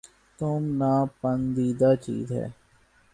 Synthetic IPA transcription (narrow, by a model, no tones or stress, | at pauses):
t̪ʊmnaːpənd̪iːd̪aːt͡ʃḭːzɦɛ̰ː